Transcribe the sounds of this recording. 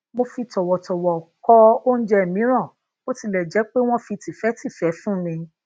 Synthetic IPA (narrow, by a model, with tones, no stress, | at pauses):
mo˧fi˧tɔ˨wɔ˨tɔ˨wɔ˨kɔ˧o˦ñ̩˦d͡ʒɛ˧˨mĩ˨˦ɾ̃ã˦˨ | o˦ti˧lɛ˨d͡ʒɛ˨˦k͡pe˦w̃ɔ̃˦fi˧ti˨fɛ˨˦ti˦˨fɛ˨˦fũ˦mĩ˧